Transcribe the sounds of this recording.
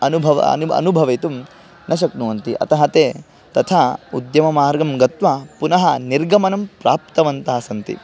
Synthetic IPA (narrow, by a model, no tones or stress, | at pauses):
ɐnubʱɐʋɐ̰nuɐ̰nubʱɐʋɐjt̪um | nʔɐʃ̬ɐknuʋɐnt̪iʔɐ̰t̪ɐɦɐt̪eː | t̪ɐt̪ʰaːud̪jɐmɐmaːɾɡɐmɡɐt̪ʋɐpunɐɦɐniɾɡɐmɐnɐmpɾaːpt̪ɐʋɐnt̪ɐɦɐsɐnt̪ḭ